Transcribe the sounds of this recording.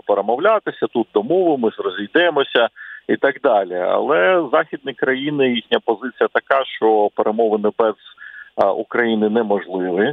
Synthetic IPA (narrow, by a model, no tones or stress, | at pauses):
peɾemɔwlʲat̪ɪsʲɐt̪ut̪̚d̪ɔmɔʋɪmɪzrɔzʲijd̪ɛmɔsʲɐit̪ɐɡd̪ɑlʲiɐ̰lˠɛzɑxʲid̪nʲɪjkɾɐjinɪjixnʲɐpɔzɪt͡sʲijɐt̪ɐkɑʃt͡ʃɔpeɾʔemɔʋɪnɪbɛz̥ | ukɾɐjinɪnɛmɔʒlˠɪʋɪ